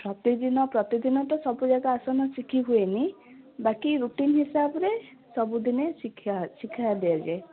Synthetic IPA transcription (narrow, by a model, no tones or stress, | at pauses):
pɾɔt̪id̪inɔpɾɔt̪id̪inɔʈɔsɔbud͡ʒaɡaːsɔnɔsikʰiɦueni | bakiɾuʈinɦisabɔɾe | sɔbud̪inesiasikʰajad̪ɛad͡ʒae